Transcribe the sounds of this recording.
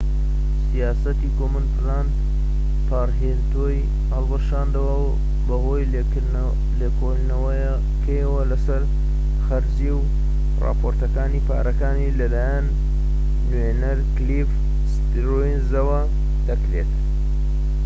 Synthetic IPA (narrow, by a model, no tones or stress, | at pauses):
sijaːsɐt̪ikomɨnplaːnd̪ | pʰaːrɦent̪oj | hɐlˠbɨʃaːnd̪ɐwɐw | bɐɣo̞ːj | lekʰoʒnɐwɐj | kʰɐjɐwɐlɐsɐɾ | xɐɾziw | rɑ̰ːpʰoːɾt̪ɐkaːniːpʰa̰ːɾɐkaːnilɐlaːjanː | wenɐɾklif | st̪ɾojinzɐwɐ | d̪ɐkɾe̞t̪